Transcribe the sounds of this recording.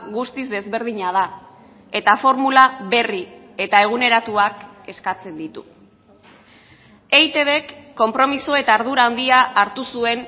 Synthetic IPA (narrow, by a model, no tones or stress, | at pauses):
ɣust̪izd̪e̞zβe̞ɾð̞iɲað̞a | e̞t̪afo̞ɾmulaβe̞ri | e̞t̪ae̞ɣ̞une̞ɾat̪uak | e̞skat͡se̞nd̪it̪u | ejt̪e̞βe̞kːo̞mpɾo̞miso̞e̞t̪aːɾð̞uɾaːnd̪iaʔːɾt̪usue̞n